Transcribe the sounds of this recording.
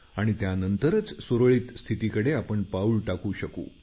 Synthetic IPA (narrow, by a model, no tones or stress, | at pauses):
aɽ̃it̪janənt̪əɾət͡ssoɾɭiːt̪st̪ʰit̪ikəɽeapəɳpauːlʈakuːɕəkṵː